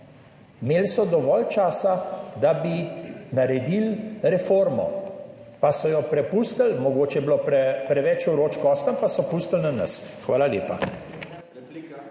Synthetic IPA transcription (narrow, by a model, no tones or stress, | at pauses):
meːlsɔd̪ɔʋɔlt͡ʃaːsad̪abinaɾɛd̪ilɾɛfoɾmɔ̰pasɔjɔpɾɛpust̪əlmɔɡoːt͡ʃɛjɛbloːpɛpɾɛʋɛt͡ʃuɾoːt͡ʃkɔst̪ampasɔpust̪əlnanɐ̰sxʋaːlaljḛːpa̰